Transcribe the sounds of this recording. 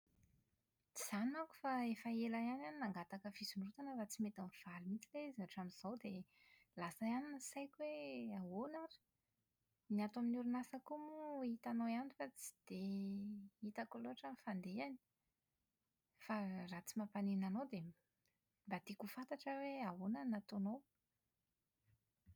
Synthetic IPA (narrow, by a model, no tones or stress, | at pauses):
t͡siz̥anaku̥faefaelajananinaŋɡat̪akəfizunrut̪anəɾat͡simet̪anv̥alimit͡sileizaʈ͡ʂamiz̥awd̪e | lasaaninsajkʲuweawonaɾi̥ | niat̪aminuɾunasakumuit̪anojanifat͡si̥d̪̥e | it̪akoloaʈ͡ʂamifand̪eani̥ | farat͡simapanenanowd̪e | mbat̪ikufant̪aʈ͡ʂəweaonanat̪onow